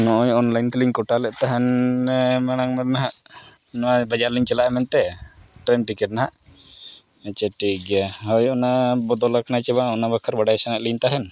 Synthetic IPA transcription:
nɔʔɔjɔnlajnt̪liɲkɔʈalɛʔt̪aɦɛn | maɽ̃aŋmɛɾ̚naɦaʔ | nɔabad͡ʒaɾliɲt͡ʃɛlaʔɛmɛnt̪ɛʈɾɛnʈikɛʈ̚naɦaʔ | at͡ʃɛʈiɡɛjaɦɔjɔnabɔd̪ɔlakʰanat͡ʃɛβaɔnabakʰaɾbaɖajsanaʔlint̪aɦɛn

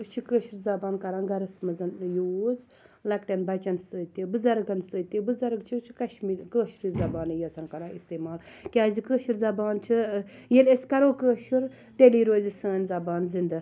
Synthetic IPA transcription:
t͡ʃʰikəːʃuɾzɐbaːnkɐɾaːnɡɐɾɐsmɐzɐnjoːz | lɐkʈenbɐt͡ʃɐnst̪ɨːt̪ibɨzɐɾɡɐnsɨːt̪ibɨzɐɾɡt͡ʃʰit͡ʃʰi̥kɐʃmiːɾʲkəːʃɾizɐbaːnijɐt͡sʰɐnkɐɾãːist̪eːmaːl | kʲaːzikəːʃiɾzɐbaːnt͡ʃʰijelesʲkɐɾoːkəːʃuɾ | t̪eliːɾoːzisəːnʲzɐbaːnzind̪ɐ

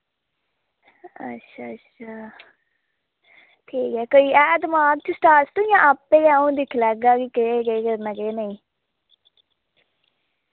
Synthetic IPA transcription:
ə̰tːʃʰaːətːʃʰaː | ʈʰiːkɦɛːkoːiːɛːd̪əmaːɡ̚t͡ʃʊsʈaːɾst̪ũːjãːʔapːeːãːũːd̪ɪkʰlɛːɡaːkikeeːɡəeːɡəɾnaɡeːnəĩː

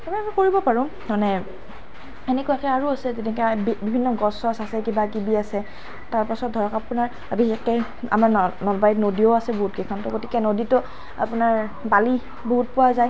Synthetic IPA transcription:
amiamikoɹibɔpaɹɔ̃ | manɛ | enɛkʊjakɛaɹuasɛzetɛkɛbibʱinːɔɡɔsɔsasɛkibaɡibiasɛ | taɹpasɔt̚dʱɔɹɔkapʊnaɹ | bʱixekɛ | a̰maɹnɔlbajtnodioasɛboɦut̚kɛkʰɔntɔɡoti̥kɛnoditɔ | a̰pʊnaɹ | bali | boɦut̚pʊwazaj

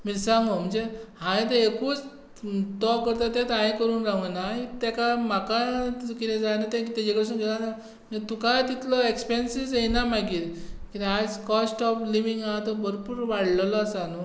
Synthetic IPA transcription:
miɾsãŋɡɔm̤əɳd͡zehãĩt̪ẽekuːt͡s | t̪ɔkəɾt̪at̪ɛ̃t̪ãĩkəɾuːnɾaɡənait̪ɛkamakakit̪ẽd͡zanat̪ɛ̃kt̪ad͡ʑekəɽes̬ũnɡʱelasa | mt̪ukajt̪it̪lɔekspensid͡zenamaɡiːtkit̪ad͡zkɔsʈɔfliʋiŋɡat̪ɔbəɾpuːɾʋaɽləlɔːsanu

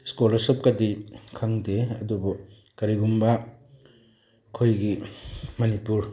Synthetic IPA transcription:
skɔlɐsup̚kadikʰaŋdeɐ̰dubɔ | kaɾiɡumba | kʰojɡimɐnipuɾ

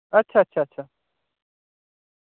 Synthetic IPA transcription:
ɐt͡ʃʰatt͡ʃʰat͡ʃʰa

